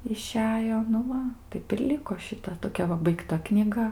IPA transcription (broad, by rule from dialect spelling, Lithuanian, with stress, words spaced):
ɪˈʃʲæːjoː ˈnʊ ˈʋɐ ˈtɐɪp ɪr ˈlʲɪkoː ʃʲɪˈtɐ toːˈkʲɛ ʋɐ bɐɪkˈtɐ knʲiːˈɡɐ